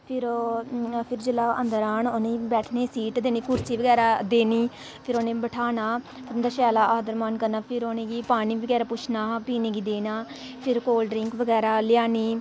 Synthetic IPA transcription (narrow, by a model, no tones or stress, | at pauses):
pʰɪɾ | pʰɪɾd͡ʒəlaːə̰nd̪əɾaːnʊnẽbɛːʈʰneːsiːʈd̪eːniːkʊɾt͡ʃiːʋəɡɛːɾaːd̪eːniː | pʰɪɾoːnẽːbəʈʰaːnaː | pʰɪɾnd̪aːʃaːlaːʔaːd̪əɾmaːnkəɾnaːpʰɪɾoːnẽːɡiːpaːniːʋəɡɛːɾaːpʊt͡ʃʰnaːpiːnẽːɡiːd̪eːnaː | pʰɪɾkoːlɖɾɪŋkʋəɡɛːɾaːlɪjaːniː